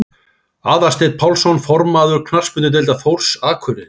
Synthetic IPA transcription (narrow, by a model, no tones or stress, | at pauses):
aːðast̪eːt̪̚pʰawlsɔnfɔɾmaːðʏɾkʰnar̥spʏnt̪ʏt̪̬ɪlt̪aθowr̥saːkʰʏɾɪ